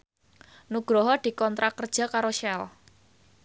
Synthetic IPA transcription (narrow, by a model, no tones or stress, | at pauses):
nuɡ̥ɾɔɦɔd̪̥i̤kɔnt̪ɾakərd̥ʒ̥a̤kaɾoʃɛl